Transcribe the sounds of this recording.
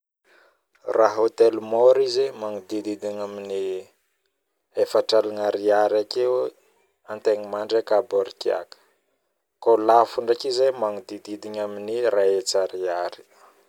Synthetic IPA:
raɦot̪elmoɾizemaŋud̪id̪id̪iɲamini | efaʈ͡ʂalaŋaɾiaɾakew | ant̪eɲimaɳɖ͡ʐakaboɾikia̰kə̥ | kolafuɳɖ͡ʐakizemaŋud̪id̪id̪iɲaminiraet͡saɾiaɾi̥

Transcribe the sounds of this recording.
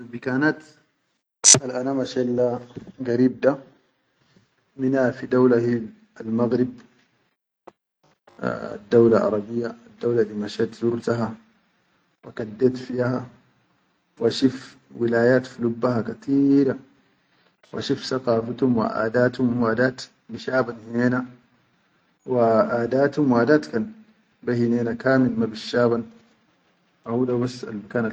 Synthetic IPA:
bikaːnat̪ | alʔanamaʃalːaɡaɾiːb̚d̪a | minhafid̪awlahi | almaɣɾib̚ | d̪ːawlaʔɑ̰ɾˤɑbijːaad̪ːawlalimaʃat̪zuɾt̪aɦa | wakad̪ːat̪fiha | waʃif | wilaːjaːt̪filubːaɦakat̪iːɾa | wʔaʃufsaqɑːfat̪humwḭʔa̰ːd̪aːt̪humwaːd̪aːt̪ | biʃaːbanhineːna | waʔaːd̪aːt̪humwaːd̪aːt̪kaːn | bahineːnakaːmilmabiʃːaːβan | fahuːd̪abasːa̰lmakaːna

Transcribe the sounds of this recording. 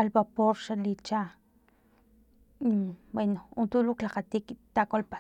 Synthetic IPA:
albapoɾʃalit͡ʃa | bwenount̪uluklaqat̪ikt̪akolpa

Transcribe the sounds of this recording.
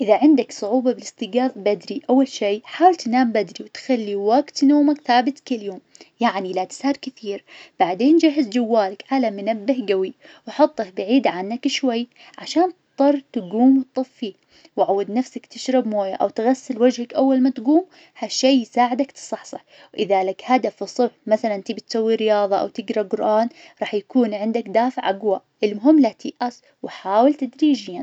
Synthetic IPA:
ʔɪðaʕɪnd̪aksˤʊʕuːbɑbɪlɪst̪ɪɡaːðˤbad̪ɾiʔawːalʃeːħaːwɪlt̪ɪnaːmbad̪ɾiwt̪xalːiwaɡt̪noːmakθaːbɪt̪kɪljoːmjaʕnilat̪ɪ̥saɾkɪθiːɾb̥aʕd̪eːnd͡ʒaɦːɪzd͡ʒawːaːlakʕalamɪnabːɪhɡawiwħʊt̪ˤːɑkbaʕiːd̪ʕanːakɪʃwajː | ʕaʃaːnt̪t̪ˤːɑrˤːt̪ɪɡuːmwɪt̪̚t̪ˤɨfːi | wʕawːad̪nafsakt̪ɪʃɾɪbmoːjaʔa̰wt̪ɣasːɪlwad͡ʒhakʔawːalmat̪ɡuːm | haʃːeːjsaːʕɪd̪akt̪sˤɑħsˤɑħ | wʔɪðalakhad̪afɨsˤɨbħmaθalant̪ɪbit̪sawːiɾɪjɑːðˤɑʔa̰wt̪ɪɡɾɑɡʊɾʔaːn | ɾˤɑːħjakuːnʕɪnd̪akd̪aːfɪʕʔaɡwa | ʔɪlmʊɦɪmːlat̪ʰiʔʔas | wɪħaːwɪlt̪ad̪ɾiːʒjan

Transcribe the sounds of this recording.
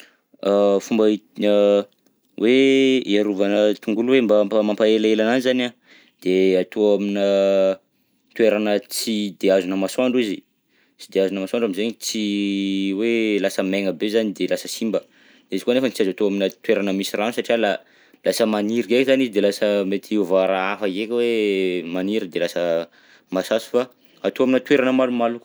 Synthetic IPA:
afumbait̪inə | weiaɾuvanət̪uŋɡuluwembapmampaelaelananizana | d̪̥eat̪oaminə | t̪weɾanət͡sid̪eazunəmaswaɳɖ͡ʐizi | t͡sid̪eazunəmasaɳɖ͡ʐaminzeɲit͡si | welasəmeŋəbezanid̪elasəsimbə | d̪ezi̥kuanefənit͡siazat̪oaminət̪weɾanəmisiranusaʈ͡ʂiala | lasəmaniɾiekizanizid̪elasəmet̪ʰiuvaɾaafəekʲwemaniɾəd̪elasə | masasu̥fa | at̪oaminət̪weɾanəmalumaluku̥

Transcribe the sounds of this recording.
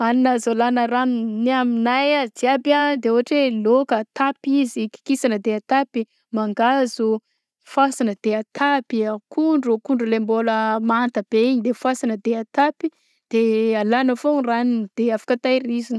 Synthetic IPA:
aninazolanəɾanniaminajad͡ziabad̪eoɦaʈ͡ʂelokət̪apiziki̥kisanəd̪eat̪api | maŋɡazu | fasanəd̪̥eat̪ʰapiakʰuɳɖ͡ʐukuɳɖ͡ʐulemboləmant̪əb̥eiɲid̪efasanəd̪eat̪api | d̪̥ealanəforanind̪̥eafḁkat̪ajɾizini

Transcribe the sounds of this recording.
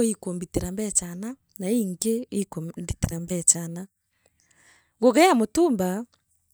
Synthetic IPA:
ikombiteɾambɛt͡ʃana | naiŋɡeikobiteɾambɛt͡ʃana | ɡoɣɛamotumba

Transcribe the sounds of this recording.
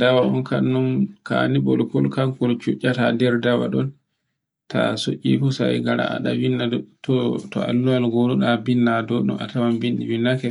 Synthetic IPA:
dawaʔɔ̰nkanːunkanibɔlkɔlkaŋkɔlt͡ʃuʔʲːatadɛɾdawa̰ɗɔn | ta̰soʔʲḭfusajɡaɾa̰a̰ɗawinːatɔtɔ̰a̰lːualɡoɗuɗabinːadɔɗɔ̰ma̰tawambinɗiwinːakɛ

